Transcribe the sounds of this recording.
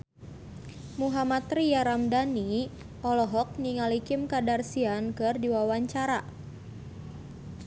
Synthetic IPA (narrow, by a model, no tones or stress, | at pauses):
muɦamat̪rijaɾamdani | ʔɔlɔɦɔk̚niŋalikɪmkadarsiankɨrdiwawaɲt͡ʃaɾa